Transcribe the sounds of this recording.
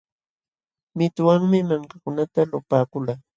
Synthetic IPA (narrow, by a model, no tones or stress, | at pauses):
mɪt̪ʊwaŋmɪmaŋkakʊnat̪alʊpaːkʊlaː